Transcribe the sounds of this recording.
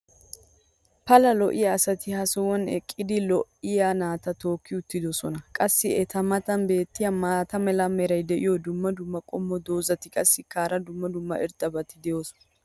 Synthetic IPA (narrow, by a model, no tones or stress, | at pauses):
pɐlɐlɔʔɪjaːsɐt̪ɪhɐsɔwɐnɛ̰kʼːɪd̪ɪlɔʔɪjanaːt̪ɐt̪o̞ːkːɪʊt̪ːɪd̪ɔsɔnɐkʼɐsːɪɛt̪ɐmɐt̪ɐnbe̞ːt̪ːɪjɐmaːt̪ɐmɛlɐmɛɾɐjd̪ɛʔɪjɔd̪ʊmːɐd̪ʊmːɐkʼɔmːɔd̪o̞ːzɐt̪ɪkʼɐsːɪkaːɾɐd̪ʊmːɐd̪ʊmːɐ̰ʔɛɾt̪ʼːɐbɐt̪ɪd̪ɛjoːsɔ̥nɐ